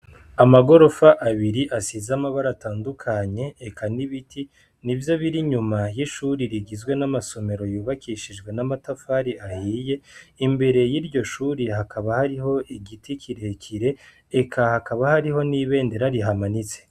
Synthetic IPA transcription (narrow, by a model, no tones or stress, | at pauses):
amaɡo̞ɾo̞faʔaβiɾiʔasizamaβaɾataːndukʰaɲe̞ːkʰaniβitʰi | nivjo̞βiɾiɲumajiʃuːɾiɾiɡizɡwe̞namaso̞me̞ɾo̞juːβakʰiʃid͡ʒɡwe̞namatafaɾiahiːje̞imbe̞ɾe̞jiɾɟo̞ʃuːɾihakʰaβahaɾiɦo̞ʔiɡitikʰiɾe̞kʰiɾe̞ | ekʰahakaβahaɾiho̞niːβe̞ːnde̞ɾaɾiɦamanit͡se